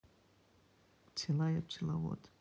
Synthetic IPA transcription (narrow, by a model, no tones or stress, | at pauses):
t͡sʰilajat͡ʃʰilawo̰tʼ